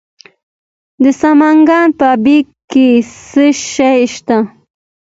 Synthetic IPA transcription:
d̪əsamaŋɡɑnpəabikkːesəʃajʃt̪a

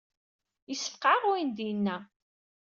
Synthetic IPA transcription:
jisə̥fqaʁʊind̪ijnːæ

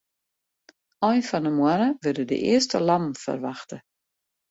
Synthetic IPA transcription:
ɔjnfɔnəmwanəʋødədə̰ʔɪ̰əstəlamfə̰rʋaxtə

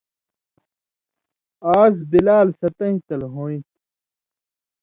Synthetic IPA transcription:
aːzbilaːlsɐt̪ɐ̃ɦĩt̪ɐlɦoːĩt̪

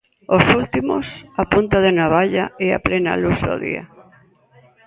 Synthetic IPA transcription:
osult̪imosapunt̪aðenaβaʎaea̰plena̰luzðo̰ðḭa̰

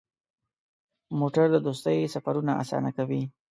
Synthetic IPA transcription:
moʈaɾd̪əd̪ost̪əjsafaɾunaʔa̰sɑ̰nakawi

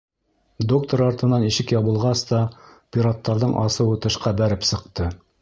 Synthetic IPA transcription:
d̪ok̚t̪oɾɑɾt̪ɤ̆nɑniʃɘkjɑβɤ̆lˠʁɑst̪ɑpʲiɾat̪ːɑɾðɤɴʔɑsɤ̆wɤt̪ɤ̆ʃqɑbæɾɘpsɤ̆qt̪ɤ

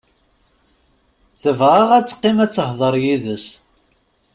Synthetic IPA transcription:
θəvʁaʁæt͡sːqːɪmæt͡sːəhðˤəɾˤjiðəs

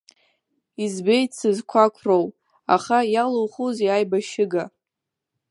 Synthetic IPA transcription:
izbejt͡sɨzkʷʰakʷʰrow | a̰χajalowχuzjajbaʃɪɡa

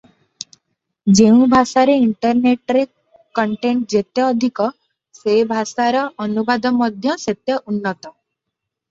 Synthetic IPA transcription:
d͡ʒeũbʱasaɾeiɳʈɔɾneʈɾe | kɔɳʈeɳʈ̚d͡ʒet̪jɔːd̪ʱikɔ | sebʱasaɾɔɔnubad̪ɔmɔd̪ʱjɔset̪jɔʔunːɔt̪ɔ

